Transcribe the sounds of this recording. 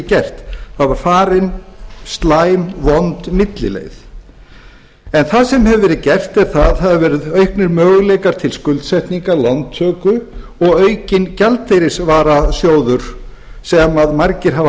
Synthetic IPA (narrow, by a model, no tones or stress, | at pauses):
cɛr̥t̪θaðvaɾ̥faːɾɪnst̪laːjmvɔnt̪mɪt̪lɪ̰lḛjθ | ɛnθaðsɛmhɛvvɛːɾɪðcɛr̥t̪ɛɾ̥θaðhaðavɛːɾɪðœɥhknɪɾmœːɣlejkaɾ̥t̪ʰɪlskʏlt̪sɛht̪niŋkalant̪ʰːœːkʏɔɣœːɥcɪncalt̪ejɾɪsvaːɾasjoːwðʏɾ̥ | sɛmaðmaɾcɪɾ̥ɦav